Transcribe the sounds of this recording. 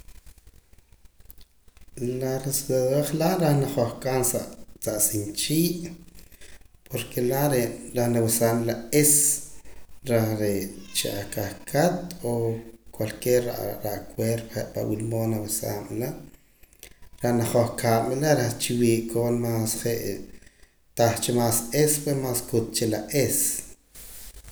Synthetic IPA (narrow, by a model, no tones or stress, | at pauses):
laresd̪aðeχlaʔɾaχnaχoχkaːnsat͡saʔsint͡ʃiːʔ | pʰoɾkʰelaɾeɾaχnawesamlaes | ɾaχɾet͡ʃḭʔakaχkʰat̪okwalkeːɾaʔɾaʔkweɾpeʔpa̰wilmoːnawesa̰ːmla | ɾaʔnaχoχkʰaːmilaɾaχt͡ʃiwiːʔkʰoːnmaːsχeʔ | t̪aχt͡ʃemaːsespwesmaːskut̪̚t͡ʃelaʔes